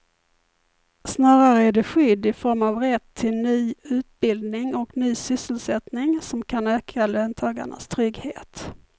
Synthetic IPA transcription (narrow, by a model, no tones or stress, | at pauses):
snɑːɾaɾəæɖɛɧʏd̪ːɪfɔɾmavɾɛt̪ʰːɪlnyːʉ̟ːt̪̚bɪld̪nɪŋɔknyːsʏsːəlsɛt̪nɪŋsɔmkʰanøːkʰaløːnt̪ʰɑːɡa̰ɳa̰st̪ʰɾʏɡheːt̪